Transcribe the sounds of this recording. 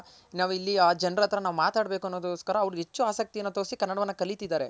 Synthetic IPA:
naːʋilːiaːd͡ʒɐnɾɐt̪ɾɐnaːʋumaːt̪aːɖbe̞ːkuɐnːoːd̪oːskɐɾɐːʋɾuɦe̞t͡ʃːuaːsɐk̚t̪ijɐnːut̪o̞ːsikɐnːɐɽɐʋɐnːɐkɐlit̪id̪aːɾe̞

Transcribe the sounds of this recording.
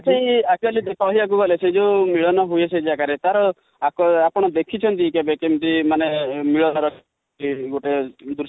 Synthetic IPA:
sejak̚t͡ʃualid̪ekʰɔɦiak̬uɡɔlesed͡ʒeumiɭɔnɔɦujesʰed͡ʒeakaɾet̪aɾɔ | akɔapɔɽ̃ɔd̪ekʰit͡ʃʰɔnt̪ikebekemt̪imanemiɭɔnɔɾɔkʰ | iɡoʈed̪uɾ

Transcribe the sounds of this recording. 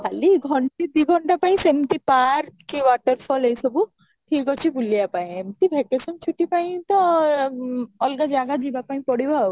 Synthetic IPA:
kʰaliɡʱɔɳʈid̪iɡʱɔɳʈapaĩsemt̪ipaɾkiwaʈəɾpʰɔlejsɔbu | ʈʰikɔt͡ʃʰibulijapaĩemt̪ibʱekesɔnt͡ʃʰuʈipaĩt̪ɔ | ɔlɡad͡ʒaɡad͡ʒibapaĩpɔɽiba

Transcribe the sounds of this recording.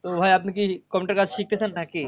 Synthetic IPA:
t̪obʱaːjaːpnkikɔmʲuʈəɾkasʃik̚t̪esanːaki

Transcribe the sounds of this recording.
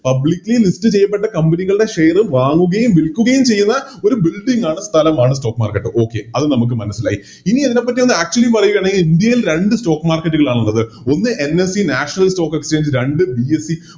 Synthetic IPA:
pɐblikʲːlelisʈɨt͡ɕejːɐp̬ːe̞ʈːɐkɐmbɐniɣɐɭɨɽe̞ʂe̞jɐrɨʋaːŋːuɣɐjumʋilkʲːuɣɐjumt͡ɕe̞jːunːɐo̞ɾubilɖiŋɡaːɳɨst̪ʰɐlɐmaːɳɨsʈo̞ːkːma̰ːrkɐʈːɨʔo̞ːkːe̞ɐðɨnɐmuk̬ːɨmɐnɐsːila̰ːji | iniɐðine̞pːɐtːiʋɐnːɨaːk̚t͡ɕuɐlipɐrɐjukɐɳeŋɡilind̪jɐjilɾe̞ɳɖɨsʈo̞ːkːmaːrkɐʈːuɣɐɭaːɳuɭːɐðɨ | o̞nːɨʔenesinaːʂɐnɐlsʈo̞ːkːekst͡ɕe̞ːɲd͡ʑɨɾeɳɖɨbiesi

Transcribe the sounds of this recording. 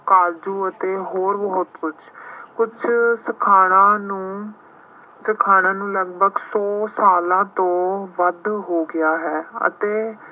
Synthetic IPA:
kaːld͡ʒuːət̪eːɦoːɾbəːʊt̪kʊd͡ʒkʊd͡ʒʰsəkʰaːɽ̃ãːnũː | səkʰaːɽ̃ãːnũːləɡbʱəɡsɔːsaːlãːt̪õːʋəd̪ɦoːɡɪaːɦɛːə̰t̪eː

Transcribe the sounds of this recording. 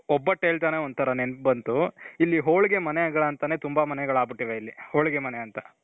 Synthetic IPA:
ɔbːɐʈːeɭt̪aːneond̪ut̪ʰɐɾɐnenpbɐnt̪uilːiɦoːɭiɡemɐnɛɡɐɭɐnt̪ɐne̞ːt̪umbɐmɐnɛɡɐɭaːbiʈːiʋeilːihoːɭɡemɐneɐnt̪ɐ

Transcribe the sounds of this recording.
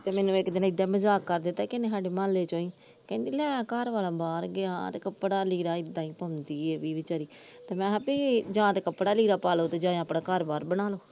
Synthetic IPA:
t̪eːmɛːnũːɪkd̪ɪnːɪd̪ːaːməzaːkːəɾd̪ɪt̪ːaːkɪneːsaːɖeːmaːlːeːt͡ʃõːĩː | kɛ̃ːnd̪iːlɛːaːkaɾʋaːlaːbaːɾɡɪa̰ːt̪ekəpːɽaːliːɾaːɪd̪ãːiːpənnd̪iːɛːʋiːʋɪt͡ʃaːɾiː | t̪eːmɛ̃ːapiːd͡ʒãːt̪ekəpːɽaːliːɾaːpaːloːt̪eːd͡ʒãːẽapɽãːkəɾbaːɾbəñaːloː

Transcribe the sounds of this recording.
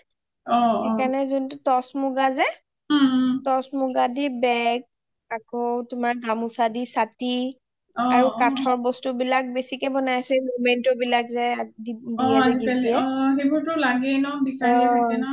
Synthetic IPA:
ɔekanɛzuntʊtɔsmʊɡazɛ | tɔsmuɡadibɛɡ̚ | akɔtʊmaɹdʱamusadisati | ɔaɹukatʰɔɹbɔstubilak̚besikɛbɔnajasɛemomentɔbilakzɛdidiaaɡialiɛxebuɹtʊlaɡɛnɔbisaɛnɔ

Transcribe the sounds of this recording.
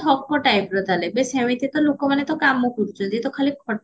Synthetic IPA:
ɔkʰːɔʈajpɾɔd̪ʱalebesem̃ĩt̪et̪ɔlokɔmanet̪ɔkamɔkuɾut͡ʃʰɔnt̪it̪ɔkʰalikʰɔ

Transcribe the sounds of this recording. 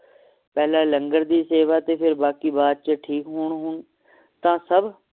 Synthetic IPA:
pɛːlaːləŋɡəɾd̪iːseːʋaːt̪eːpʰɪɾbaːkiːbaːd̪̚t͡ʃəʈʰiːkɦoːɳɦʊɳ | t̪ãːsəb

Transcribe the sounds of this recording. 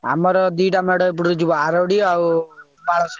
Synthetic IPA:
a̰mɔɾɔd̪iʈameɽɔp̬uɽuɾed͡ʒibɔaɾɔɽiaw | baɭɔs

